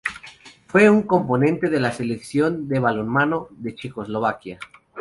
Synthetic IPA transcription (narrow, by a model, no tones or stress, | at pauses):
fweuŋkomponẽnt̪e̞ðelaseleksjo̞nd̪eβ̞alonmanoðet͡ʃeko̞zlo̞β̞akja